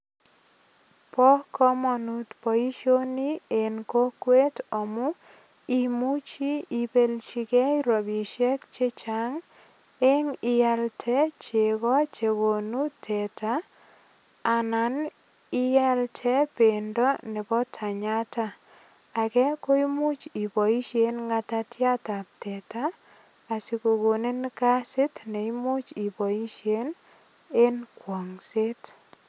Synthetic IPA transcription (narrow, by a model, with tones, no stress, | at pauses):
pɔ˦kɔ˦mɔ˨nu˦tpɔ˨i˦ʃo˦ni˦e˨nko˦kwe˦tɔ˨mu˦ | i˦mu˦t͡ʃi˦i˨pe˦lt͡ʃi˦kɛ˦iɾo˨bi˨ʃɛ˦kt͡ʃe˦t͡ʃa˨ŋ | e˦ŋɪ˨ja˦ltʰɛ˦t͡ʃe˨kɔ˦t͡ʃe˨ɡo˨nu˦tʰɛ˨ta˦˨ | na˨n | ɪ˦ja˦ltʰɛ˦pe˨ndɔ˦ne˨bɔ˦tʰa˨ɲa˦taː˦˨ | kɛ˦ko˦i˦mu˦t͡ʃi˨pɔ˨i˦ʃe˨˦nŋa˦ta˦tja˦ta˨p̚tɛ˨taː˦˨ | si˨ko˨ko˨ne˦nka˦sɪ˦tne˨imu˦t͡ʃi˨pɔ˨i˦ʃe˦n | e˦nkwɔ˨ŋse˦t